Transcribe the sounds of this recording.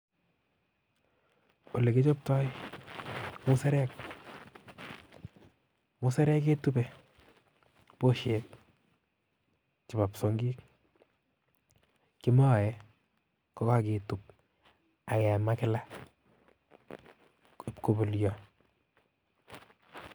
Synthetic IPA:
o˨le˨ke˦t͡ʃo˦p̚tɔ˦j | mu˦sɛ˦ɾɛ˦k | mʊ˦sɛ˦ɾɛ˦ke˦tu˦pɛ˦ | po˦ʃek̚ | t͡ʃɪ˨ba˨pso˨ŋɡi˦k̚ | kɪ˦ma˦˨jɛ | kɔ˦ka˦ke˨tu˨p̚ | a˨kɛ˨ma˦kɪ˦la˦ | pko˨bo˨ljɔ

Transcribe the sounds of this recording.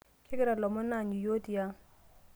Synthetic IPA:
kʰɪ˦kɪ˦ɾa˨lɔ˨mʊ˦na˨ɲi˨jo˦ti˨ja˦

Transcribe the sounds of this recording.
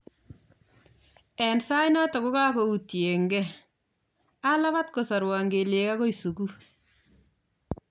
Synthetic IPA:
ɛ˨nsa˦jnɔ˦tɔ˨ku˦kaː˦ko˨utje˨ŋɡɛ˦ | a˦la˦βa˦tko˨sa˨ɾwaː˨ŋɡe˨le˨ka˦ko˦isu˨ku˦

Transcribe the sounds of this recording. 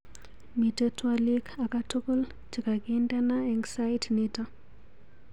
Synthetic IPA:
mi˨tə˦twa˦li˦ka˨ka˦to˦ko˦l | t͡ʃi˨ka˨ɡinda˦na˦ɛ˨ŋsa˦jtnɪta˦

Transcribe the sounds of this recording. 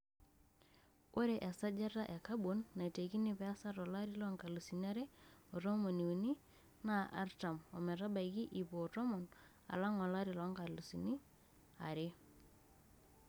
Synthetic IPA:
o˦ɾe˨ʔɛ˨sa˦d͡ʒa˦ɾa˦ʔɛ˨ka˦bo˨nːa˨te˨ki˦ni˦˨pɛ˨a˦sa˦ɾɔ˨la˦ɾi˦lɔ˦ŋka˨lu˨si˨na˦ɾe˦o˨ɾo˦mo˨ni˨u˨ni˦ | na˦˨a̰˦ɾta˨mɔ˨mɛ˨ɾa˦ba˨iki˦ʔi˨po˨tɔ˦mɔ˨n | a̰˨la˦ŋɔ˨la˦ɾi˨lɔ˨˦ŋka˨lu˨si˨ni˦ | a̰˨ɾe˦

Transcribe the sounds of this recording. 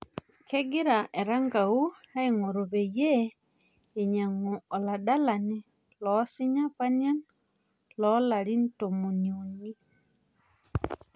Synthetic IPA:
kɛ˦ɡi˦ɾa˨ʔɛ˨ɾa˦ŋɡa˨u˦a˦i˨ŋo˨ɾo˨βɛ˨jɛ˦ | e˨ɲa˨ŋu˨ɔ˨la˨ɗa˦la˨ni˦ | lɔsi˦ɲa˦pa˦nia˦n | lɔ˦la˨ɾi˦nto˨mu˨nio˨ni˦

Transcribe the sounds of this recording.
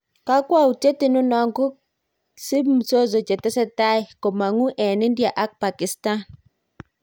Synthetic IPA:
ka˦kwa˦˨u˨te˦ti˦˨nu˦na˦ŋɡu˦ | si˦m̩˨so˦zo˨t͡ʃe˨tɛ˦se˦ta˦i˨ko˨ma˨ŋu˦ʔɛ˨ni˦ndi˦a˨ʔa˦k̚pa˨ki˨sta˦n

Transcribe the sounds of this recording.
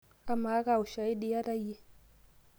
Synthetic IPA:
a˦ma˨˦ka˨u˨ʃa˨i˦ɗi˦ja˦ɾa˦je˦

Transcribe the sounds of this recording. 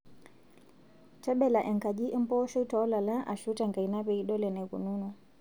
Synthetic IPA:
tɛ˦ɓɛ˨la˨ʔɛ˨ŋka˨ʄi˦ʔɛ˦m˦pɔ˦ʃɔ˦i˦tɔ˨ɔ˦la˨la˦ʔa˨ʃu˦ta˨ŋka˨i˨na˦βɛ˨i˦ɗɔ˦lɛ˨nɛ˨kṵ˨nu˦nɔ˨

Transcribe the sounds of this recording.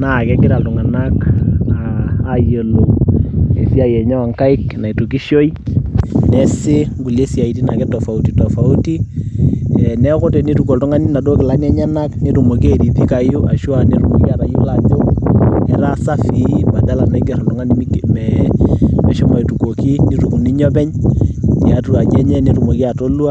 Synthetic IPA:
na˨kɛ˦ɡɪ˦ɾa˨ltu˨ŋa˨nakaːje˨lo˨e˨si˦a˨jɛ˨ɲɔ˦a˨ŋka˦ɪ˦kna˨i˨tu˨ki˦ʃo˦i˦ | nɛ˦sɪ˦ŋɡu˨le˦si˨a˨i˨ti˦na˨kɛ˦to˨fa˨u˦tito˨fa˨u˦ti˦ | ɛnɛ˦kʊ˦tɛ˨ni˦tu˨kɔ˨ltu˦ŋa˦ni˦na˨do˦kɪ˨la˦nɛ˦ɲa˦na˦kne˦ɾu˨mo˨ki˦e˨di˨pi˦ka˨ju˦ʔa̰˨ʃu˦a˨ne˦ɾu˨mo˨ki˦a˨ɾa˨ju˦la˦d͡ʒo˦ɛ˦ɾa˦sa˦fi˨˦ba˨da˦la˨na˦kɛ˨ɾɔ˨ltʊ˦ŋa˦ni˦mmɛ | mɛ˨ʃɔ˦ma˨i˨tu˨ko˨ki˦ni˦ɾu˨ku˨ni˦ɲɔ˦bɛ˦ɲ | i˨a˦tu˨a˨d͡ʒɛ˦ɲɛ˦ne˦ɾu˨mo˨ki˦a˨to˦lu˦a˦

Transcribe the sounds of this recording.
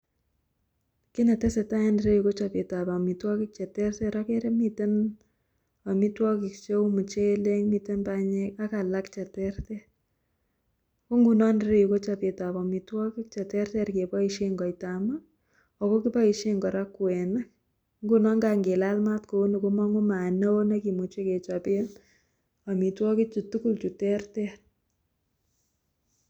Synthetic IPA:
ki˦nɛ˨tɛ˦sɛ˨ta˦ɛ˦ndɾe˦ju˨ko˦t͡ʃa˨pe˨ta˨ba˨mi˨twɔ˦ki˦k̚t͡ʃɛ˨tɛ˦rtɛ˦ɾɔ˦ke˦ɾe˦mi˦te˦n | a˨mi˦twɔ˦ki˨k̚t͡ʃo˦mu˨t͡ʃe˦le˦ŋmi˨te˦nba˦ɲe˦ka˦ka˨la˦kt͡ʃɛ˨tɛ˦rtɛ˦ | ko˦ŋɡu˨nɔ˦ndɾe˦ju˨ko˦t͡ʃa˨pe˨ta˨bɔ˨mi˨twɔ˦ki˦k̚t͡ʃɛ˨tɛ˦rtɛ˦ɾke˨pɔ˦i˦ʃe˦ŋɡɔ˨jta˨ma˦ | ɔ˨ko˦ki˦pɔ˦i˨ʃe˦ŋɡɔ˨ɾa˦kːwɛ˨nɛ˦k̚ | ŋɡu˦nɔ˦ŋɡaŋɡe˨la˦lma˦tko˨˦no˨ko˦mɔ˦ŋu˦ma˨nɛ˦o˦ne˦ki˨mu˨t͡ʃe˦ke˨t͡ʃape˦n | ɔ˨mi˨twɔ˦kɪ˦t͡ʃu˨tu˦ku˦lt͡ʃu˨tɛ˦rtɛr

